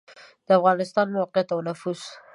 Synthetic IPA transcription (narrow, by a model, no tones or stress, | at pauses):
d̪̥əafɣɑnɪst̪ɑnmawɑqjat̪awnafuz̥